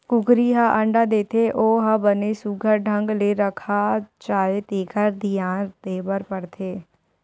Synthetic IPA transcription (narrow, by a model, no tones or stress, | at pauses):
kʊkɾiːɦaʔəɳɖaːd̪eːt̪ʰeʔoːɦabəneːsuɡʱəɾɖʱəŋɡleːɾəkʰaːt͡ʃaːleːt̪eːkʰəɾd̪ijãːɾd̪eːbəɾpəɽt̪ʰeː